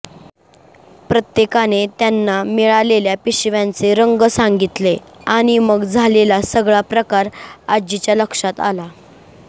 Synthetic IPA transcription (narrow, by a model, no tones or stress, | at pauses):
pɾət̪jekanet̪janːamiɭaleljapiɕʋjãnt͡seɾəŋɡəsaŋɡit̪le | aɽ̃iməɡd͡zʱalelasəɡɭapɾəkaɾad͡ʑit͡ɕjaləkʂat̪a̰la